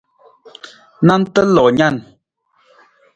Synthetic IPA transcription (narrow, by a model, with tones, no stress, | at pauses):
na˦n̩˦tə˦lɔ˨ɲa˦˨n